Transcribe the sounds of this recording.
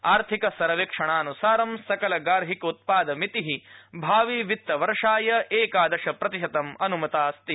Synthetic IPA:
aːɾt̪ʰikɐsɐɾɐʋikʂɐɳ̃aːnusaːɾɐmsɐkɐlɐɡaːɾɦikɐut̪̚paːd̪ɐmit̪iɦibʱaːʋiʋit̪ːɐʋɐɾʂaːjɐeːkaːd̪ɐʃɐpɾɐt̪iʃɐt̪ɐmɐnumɐt̪aːst̪i

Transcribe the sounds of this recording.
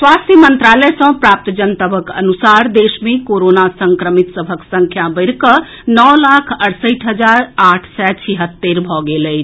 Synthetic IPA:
swast̪ʰjəmənt̪ɾalɛsə̃pɾap̚t̪d͡ʒənt̪əbʱəkə̰nusaɾd̪esmekoɾonasəŋkɾəmit̪səbʱəksə̃ŋkʰjabəɪɾkə | nɔlakʰəɽsəʈʰɦəd͡ʒaɾaʈʰsɛt͡ʃʰiɦət̪ːeɾbʱɔɡeləjt͡ʃʰ

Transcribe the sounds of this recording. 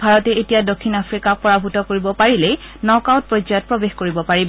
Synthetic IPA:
bʱaɹɔtɛetijadokʰːinapʰɹikak̚pɔɹabʱutɔkoɹibɔpaɹile | nɔkawt̚pɹɔjzat̚pɹɔbexkoɹibɔpaɹib

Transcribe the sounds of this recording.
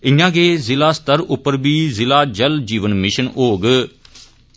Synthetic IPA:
ɪɲãːɡeːzɪlaːst̪əɾʊpːəɾbiːzɪlaːd͡ʒəld͡ʒiːʋənmɪʃənoːɡ

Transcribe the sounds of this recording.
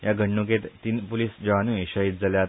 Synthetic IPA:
jaɡʱəɳːuk̬et̪iːnpuliːsd͡ʑəʋanũiɕəit̪̚d͡zaljat̪

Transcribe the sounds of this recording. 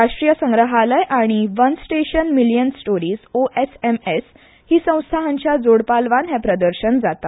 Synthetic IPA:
ɾaʂʈɾijəsə̃ŋɡɾəɦaləjʔaɽ̃iʋənsʈeɕənmilijənsʈoɾiːd͡zoʔesemes | hiːsə̃w̃st̪ʰaɦaɲt͡ɕjad͡zoɽpalʋãnɦɛpɾəd̪əɾɕənd͡zat̪at̪

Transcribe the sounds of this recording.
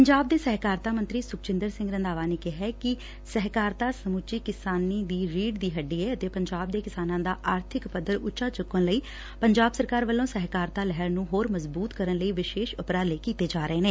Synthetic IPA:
pəɲd͡ʒaːb̚d̪eːsɛɦkaːɾt̪aːmənt̪ɾiːsʊk̚t͡ʃɪ̃nd̪əɾsɪ̃ŋɡɾənd̪aːʋaːneːkɪɦɛːkɪ | sɛɦkaːɾt̪aːsəmʊt͡ʃiːkɪsaːniːd̪iːɾiːɖd̪iːɦəɖːiːɛːət̪eːpəɲd͡ʒaːb̚d̪eːkɪsaːnãːd̪aːʔaːɾt̪ʰɪkpəd̪əɾʊtːt͡ʃʃaːt͡ʃʊkːənləiː | pəɲd͡ʒaːbsəɾkaːɾʋəlːõːsɛɦkaːɾt̪aːlɛɦəɾnũːɦoːɾməzbuːt̪kəɾənləiːʋɪʃeːʃʊpɾaːleːkiːt̪eːd͡ʒaːɾəeːneː

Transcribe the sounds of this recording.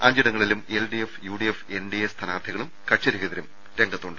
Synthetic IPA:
aːɲd͡ʑiɽɐŋːɐɭilumelɖiefjuːɽiefenɖijest̪ʰɐnaːrt̪ʰiɣɐɭumkɐʈt͡ɕɐɾiɣɐðɐɾum | ɾeŋɡʱɐt̪ːuɳɖ

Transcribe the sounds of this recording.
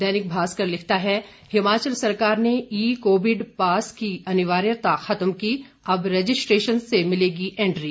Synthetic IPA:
d̪ɛːnɪk̚bʱaːskɐɾlɪkʰt̪aɦɛ | hɪmaːt͡ʃəlsɐɾkaːɾneiːkoːʋɪɖpaːskiɐnɪʋaːɾjət̪axɐt̪mki | ɐbɾed͡ʒɪsʈɾeːʃənsemɪleːɡiʔɛ̃ːɳɖɾiː

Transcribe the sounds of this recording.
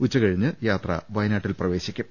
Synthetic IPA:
ut͡ɕːɐkɐɻiɲːɨjaːt̪rɐ̰ʋɐjnaːʈːilprɐʋe̞ːɕikʲːum

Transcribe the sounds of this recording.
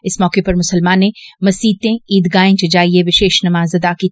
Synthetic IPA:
ɪsmɔːkepɐɾmʊsəlmaːnẽmɐsiːt̪ẽiːd̪ɡaːẽt͡ʃɐd͡ʒaːieʋɪʃeːʃnɐmaːzɐd̪aːki

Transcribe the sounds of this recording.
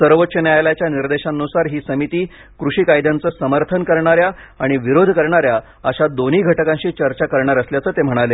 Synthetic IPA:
səɾʋət̪ːɕənjajljat͡ɕjaniɾd̪eɕanːusaɾɦiːsəmit̪iː | kɾuɕiːkajd̪jant͡səːsəməɾt̪ʰənkəɾɳaɾjaː | ɽ̃iʋiɾod̪ʱkəɾɳaɾja | əɕad̪oniːɡʱəʈəkãɕiːt͡ɕəɾt͡ɕakəɾɳaɾəsljat͡səːt̪em̤əɽ̃ale

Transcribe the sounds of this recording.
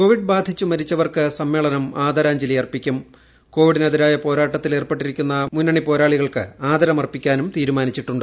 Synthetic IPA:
ko̞ːʋiɖbaːd̪ʱit͡ɕːumɐɾit͡ɕːɐʋɐrkɨsɐmːe̞ːɭɐnɐmaːd̪ʱɐɾaːɲd͡ʑilɐjɐrpːikʲːum | ko̞ːʋiɽineðiɾaːjɐpo̞ːɾaːʈːɐt̪ːile̞ːrpeʈːiɾikʲːunːɐmunːɐɳipo̞ːɾaːɭiɣɐɭkɨaːd̪ʱɐɾɐmɐrpikʲːaːnumt̪iːɾumaːnit͡ɕːiʈːuɳɖɨ

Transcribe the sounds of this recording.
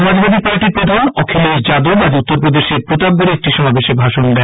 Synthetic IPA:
mad͡ʑbad̪ʱipaɾʈiɾpɾod̪ʱanɔkʰeled͡ʑad̪obad͡ʑ̪ut̪ːoɾpɾod̪eʃeɾpɾot̪ab̚ɡoɾeek̚ʈiʃɔmabeʃebʱaʃond̪ɛ

